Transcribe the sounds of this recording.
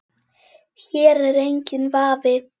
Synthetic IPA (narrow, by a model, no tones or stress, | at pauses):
çɛːɾɛɾejɲcɪnvaːvɪ